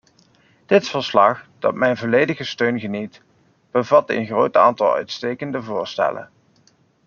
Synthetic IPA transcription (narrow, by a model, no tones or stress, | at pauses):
d̥ɪtfəɹslɑχd̥ɑ̰tmɛjnvɔlejdəχəstøɥnχənit | b̥əvɑtə̰nχrowta̰ːntɑlˠœ̰ɥtstejkəndəvʊːɹstɛ̰lə̰n